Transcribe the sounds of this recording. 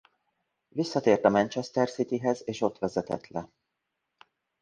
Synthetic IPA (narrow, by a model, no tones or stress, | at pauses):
visːɒt̪eːrt̪ɒmɛnt͡ʃɛst̪ɛrsit̪iɦɛzeːʃo̞t̪ʋɛzɛt̪ɛ̰t̪lɛ